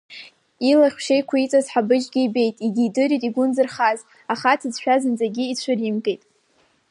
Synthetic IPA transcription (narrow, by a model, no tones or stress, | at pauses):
ilaχʲʷʃejkʷʰit͡sʼazħabɨd͡ʒɡʲiibe̞jtʼididɨɾitʼiɡʷʊnzɨrχaz | aχatʰɨzʃᶣazɨnd͡zʼaɡʲiit͡ɕʷʰʊrimɡʼejtʼ